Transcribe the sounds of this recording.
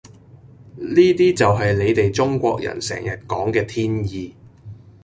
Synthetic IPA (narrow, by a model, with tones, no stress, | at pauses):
niː˥t̪iː˥t͡sɐ˨wɦɐ˨jle˨˧jt̪e˨jt͡sʊ˥ŋkʷɔː˧k̚jɐ̰˨˩nsɛ̰ː˨˩ŋjɐ˨t̚kɔː˨˥ŋkɛː˧t̪ʰiː˥njiː˨˧